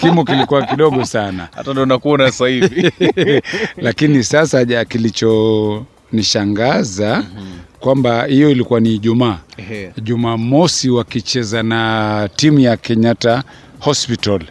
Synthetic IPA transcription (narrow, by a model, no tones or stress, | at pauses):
kimukilikuwakiɗɔɠɔsana̰ha̰tandɔnakuɔnasahivi | lakinisasaakilit͡ʃɔ | niʃaŋɡazakwambahijɔilikuwaniːʄumaːʄumaːmɔsiwakit͡ʃɛzanatimujakɛɲata | hɔspital